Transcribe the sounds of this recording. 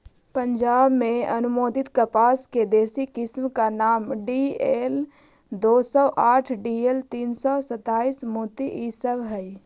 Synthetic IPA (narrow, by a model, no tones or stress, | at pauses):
pə̃ɲd͡ʒaːbmẽɐnʊmoːd̪ɪt̪kəpaːsked̪eːsikɪsmkanaːmɖieːl | d̪oːsɔːʔaːʈʰɖiːelt̪iːnsɔːsət̪aːismuːt̪iʔiːsəʋɦɛi